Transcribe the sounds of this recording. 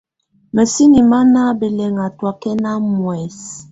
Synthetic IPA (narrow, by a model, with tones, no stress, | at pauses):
mɛ˨si˦ni˨ma˦na˦be˨lɛ˨ŋa˨twa˨kɛ˦na˦mwɛ˨s